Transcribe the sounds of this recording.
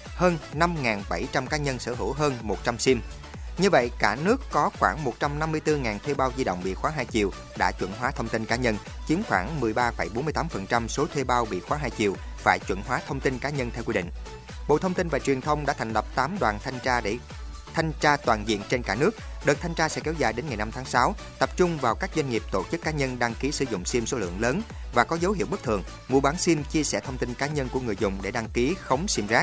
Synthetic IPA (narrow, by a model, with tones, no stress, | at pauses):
həː˧nna˧mŋaː˨˩nɓa˧˩jt͡ɕa˧mkaː˨˦ɲə˧nsəː˧˩ɦɨ̰˧˩wɦəː˧nmo˨˩t̚t͡ɕa˧msi˧m | ɲɨ˧və̰˧˨jkaː˧˩nɨ˦˥əkːɔ˨˦xwaː˧˩ŋmo˨˩t̚t͡ɕa˧mna˧mːɨ˧əjt̪ɨ˧ŋaː˨˩nt̪ʰwe˧ɓaː˧wzi˧ɗo̰˧˨ŋ͡mɓḭ˧˨xwaː˨˦ɦaː˧jt͡ɕḭ˨˩əw | ɗa̰ː˧˥t͡ɕwə̰˧˩nɦwaː˨˦t̪ʰə˧wŋ͡mt̪i˧nkaː˨˦ɲə˧n | t͡ɕi˨˦əmxwaː˧˩ŋmɨ˨˩əjɓaː˧fə˧˩jɓo˨˦nmɨ˧ət̪aː˨˦mfə˨˩nt͡ɕa˧mso˨˦t̪ʰwe˧ɓaː˧wɓḭ˧˨xwaː˨˦ɦaː˧jt͡ɕḭ˨˩əw | faː˧˩jt͡ɕwə̰˧˩nɦwaː˨˦t̪ʰə˧wŋ͡mt̪i˧nkaː˨˦ɲə˧nt̪ʰɛ˧wkwi˧ɗḭ˧˨ŋ̟ | ɓo̰˧˨t̪ʰə˧wŋ͡mt̪i˧nvaː˨˩t͡ɕwi˨˩ənt̪ʰə˧wŋ͡mɗa̰ː˧˥t̪ʰa˨˩ŋ̟lə˨˩p̚t̪aː˨˦mɗwa̰ː˨˩nt̪ʰjŋaː˧ɗe˧˩ | t̪ʰa˧jŋ̟t͡ɕaː˧t̪waː˨˩nzḭ˧˨ənt͡ɕe˧nkaː˧˩nɨ˦˥ək̚ɗə˨˩t̚t̪ʰa˧jŋ̟t͡ɕaː˧sɛ̰˧˥kɛ˨˦wzaː˨˩jɗe˨˦nŋa˨˩jna˧mt̪ʰaː˨˦ŋsaː˨˦w | t̪ə˨˩p̚t͡ɕʊ˧ŋ͡mvaː˨˩wkaː˦˥k̚zwa˧jŋ̟ŋi˨˩p̚t̪o˧˩t͡ɕɨ˦˥kːaː˨˦ɲə˧nɗa˧ŋki˨˦sɨ˧˩zʊ̰˧˨ŋ͡msi˧mso˨˦lɨ̰˧˨əŋləː˨˦n | vaː˨˩kɔ˨˦zə˨˦wɦḭ˧˨əwɓɨ˦˥k̚t̪ʰɨ˨˩əŋ | mu˨˩ɓaː˨˦nsi˧mt͡ɕi˧əsɛ˧˩t̪ʰə˧wŋ͡mt̪i˧nkaː˨˦ɲə˧nku˧˩əŋɨ˨˩əjzʊ̰˧˨ŋ͡mɗe˧˩ɗa˧ŋki˨˦xə˨˦wŋ͡msi˧mzaː˦˥k̚